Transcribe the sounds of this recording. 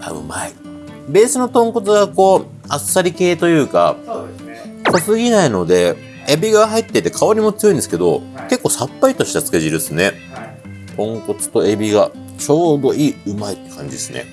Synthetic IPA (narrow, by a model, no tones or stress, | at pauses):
a̰ɯ̟̰mai | be̞ːsɨno̞t̪õ̞ŋko̞t͡sɨɡako̞ː | asːaɾʲike̞ːt̪o̞jɯ̟ːka̰ | kosɨɡʲinaino̞d̪e̞ | ebʲiɡaɦait̪ːe̞it̪ːe̞kʰaoɲ̟imot͡sɨjõnd̪eɨ̥ke̞d̪o̞̰ke̞kːo̞ːsapːait̪o̞ɕi̥t̪at͡sɨ̥ke̞ʑiɾɯ̟sɨne̞ | t̪ʰõ̞ŋko̞t͡sɨ̥t̪o̞e̞bʲiɡa | t͡ɕo̞ːd̪o̞iːɯ̟mait̪ːe̥kʰã̰ɲ̟d͡ʑid̪esɨnḛ